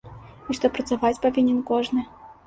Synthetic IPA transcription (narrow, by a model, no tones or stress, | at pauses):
iʂt̪ɔpɾɐt̪savat͡sʲpɐvʲinʲɛnkɔʐnɨ